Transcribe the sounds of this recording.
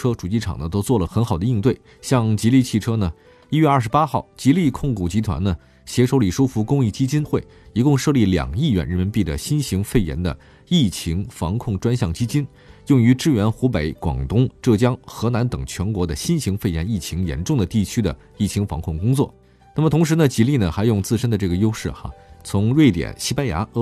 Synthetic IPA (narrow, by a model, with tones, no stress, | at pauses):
ɤ˥ʈ͡ʂu˨˩t͡ɕi˥˩ʈ͡ʂʰɑ̰˨˩ŋnə˦t̪o˥ʊt͡swɔ˥˩lə˩xə˧˥nxɑ˨˩ʊd̪ə˦i˥˧nt̪we˥˩ɪ | ɕjɑ˥˧ŋt͡ɕi˧˥li˥˧t͡ɕʰi˥˩ʈ͡ʂʰɤ˥nə˨ | i˥ɥɛ˥˧ɐ˞˥˩ʂ̬ɻ̩˧˥pa˥xɑ˥˩ʊt͡ɕi˧˥li˥˧kʰʊ˥˧ŋku˨˩t͡ɕi˧˥t̪ʰwa̰˧˥nnə˧ | ɕjɛ˧˥ʂo˧˥ʊli˨˩ʂu˥fu˧˥kʊ˥ŋi˥˩t͡ɕi˥t͡ɕi˥nxwe˥˩ɪ | i˧˥kʊ˥˧ŋʂɤ˥˧li˥˩ljɑ̰˨˩ŋi˥˩ɥɛ̰˧˥nɻə˧˥nmə˧˥npi˥˩d̪ə̰˩ɕi˥nɕi˧˥ŋfe˥˩ɪjɛ̰˧˥nd̪ə̰˧ | i˥˩t͡ɕʰi˧˥ŋfɑ˧˥ŋkʰʊ˥˩ŋʈ͡ʂwa˥nɕjɑ˥˩ŋt͡ɕi˥t͡ɕi˥n | jʊ˥˩ŋy˧˥ʈ͡ʂɻ̩˥ɥɛ˧˥nxu˧˥pe˧˥ɪkwɑ̰˨˩ŋt̪ʊ˥ŋʈ͡ʂɤ˥˩t͡ɕjɑ˥ŋxɤ˧˥na˧˥nt̪ɤ˨˩ŋt͡ɕʰɥɛ˧˥nkwɔ˧˥d̪ə˧ɕi˥nɕi˧˥ŋfe˥˩ɪjɛ̰˧˥ni˥˩t͡ɕʰi˧˥ŋjɛ̰˧˥nʈ͡ʂʊ˥˩ŋd̪ə˩t̪i˥˩t͡ɕʰy˥d̪ə̰˨ | i˥˩t͡ɕʰi˧˥ŋfɑ̰˧˥ŋkʰʊ˥˩ŋkʊ˥ŋt͡swɔ̰˥˩ | na˥˩mət̪ʰʊ˧˥ŋʂ̬ɻ̩˧˥nə˧t͡ɕi˧˥li˥˩nə˩xa˧˥ɪjʊ˥˧ŋt͡sɹ̩˥˧ʂə˥nd̪ə˨˧ʈ͡ʂɤ˥˩ɡə˩jo˥ʊʂɻ̩˥˩xɐ̰˩t͡sʰʊ˧˥ŋɻwe˥˩ɪt̪jɛ̰˨˩nɕi˥pa˥nja̰˧˥˧